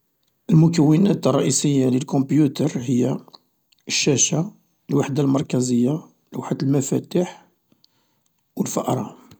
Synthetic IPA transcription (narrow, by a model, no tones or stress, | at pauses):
ʔəlmʊkæwːənæt̪rˤːɑʔisəjːaləlkɔ̃bjut̪əɾˤɦəjːa | əʃːæʃa | lwaħd̪almɑɾˤkæzəjːa | lwaħd̪əlmæfæ̰t̪iħ | wəlfɑʔɾˤɑ̰